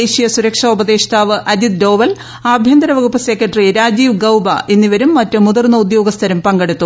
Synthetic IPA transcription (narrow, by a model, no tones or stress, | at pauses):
eɕijɐsuɾɐkʂɐubɐd̪eːɕɐ̥t̪ʰaːʋɨʔɐd͡ʑid̪̚doːʋɐl | aːbʱjɐnd̪ɐɾɐʋɐɣupːɐsekːɐʈriɾaːd͡ʑiːʋɡɐwbɐʔenːiʋɐɾumːɐtːɨmud̪ɐrnːɐud̪jo̞ːɡɐst̪ʰɐɾɐmpɐŋɡeɽut̪ːu